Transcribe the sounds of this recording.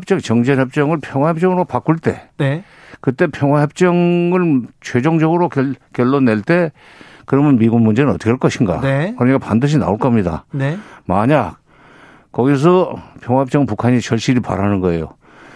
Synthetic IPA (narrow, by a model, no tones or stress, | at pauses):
p̚t͡ɕ͈ʌŋt͡ɕʌŋd͡ʑenɦʌp̚t͡ɕ͈ʌŋɯɭpʰjʌŋɦwajep̚t͡ɕ͈ʌŋɯɾopak͈uɭt͈e̞̰ne | kɯt͈e̞pʰjʌŋwaɦʌp̚t͡ɕ͈ʌŋɯɭt͡ɕʰwe̞d͡ʑoŋd͡ʑʌɡɯɾokkjʌɭːonːe̞ɭt͈e̞ | kɯɾʌmɯnmiɡunmund͡ʑe̞nɯnʌt̪͈ʰʌ̥kʰʌɭk͈ʌɕʰinɡa̰ekɯɾʌɲik͈apandɯɕ̬ʰina̰oɭk͈ʌmɲida̰nemaɲak̚ | k͈ʌɡis̬ʰʌpʰjʌŋɦwajep̚t͡ɕ͈ʌŋpukʰaɲit͡ɕʰʌɭɕ͈iɾipa̰ɾanɯnɡʌe̞̰jo̰